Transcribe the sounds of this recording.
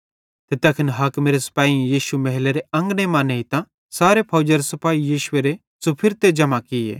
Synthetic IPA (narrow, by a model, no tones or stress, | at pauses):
t̪et̪ɐkʰənɦɐːkmeːɾesɐ̥paːijiːʃumɐɦleɾeɐ̃ŋɡnemãːneit̪ã | saːɾepʰɐːd͡ʒɐɾesɐpaːijiːʃʊeɾe | sopʰɪɾt̪ed͡ʒɐmakɪḛː